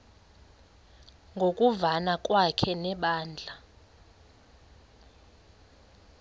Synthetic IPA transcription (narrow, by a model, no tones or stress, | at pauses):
ŋɡʱokʼuvanakʼwakʰɛnɛɓaːnd͡ɮʱa